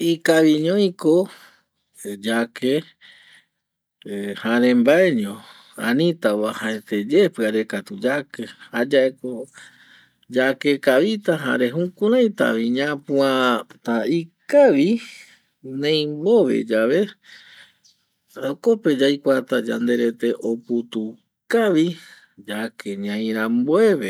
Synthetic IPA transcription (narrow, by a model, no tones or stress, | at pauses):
ikaʋiɲõjĩko | d͡ʒakʰe | haɾẽmbaeɲõ | ãnĩt̪aβahaẽt̪ed͡ʒepɨaɾekat̪ud͡ʒakehad͡ʒae̞ko | d͡ʒakekaʋit̪aɦa̰ɾe̞ɦũkũɾajt̪a̰βiɲãpũãt̪aikaʋi | nẽj̃mbo̞ʋḛd͡ʒaʋe̞ | ɾakope̞d͡ʒajkʷat̪ad͡ʒa̰nd̪e̞ɾe̞t̪e̞ʔoput̪u | kaʋi | d͡ʒakeɲãj̃ɾãmboe̞βe